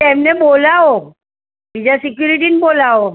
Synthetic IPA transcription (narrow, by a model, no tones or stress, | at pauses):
ɛːmneboːlao | bid͡ʒasɪkjuɾiʈinboːlao